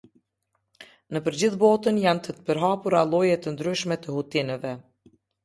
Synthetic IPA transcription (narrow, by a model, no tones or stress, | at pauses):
nəpəɾd͡ʑiθbɔt̪ənjant̪ət̪ə̥pəɾɦapuɾalˠɔjɛt̪ənd̪ɾyʃmɛt̪əhut̪inɛvɛ